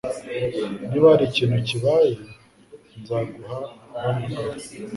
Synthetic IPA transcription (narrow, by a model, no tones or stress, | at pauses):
niβaɾiciːnhuciβaje | nzaːɡuhanamuŋɡaɾ